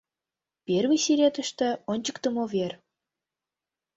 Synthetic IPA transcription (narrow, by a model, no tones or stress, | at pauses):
pʲervisiɾʲet̪ə̆ʃt̪ĕonʲt͡ɕə̥̆kt̪ə̆mover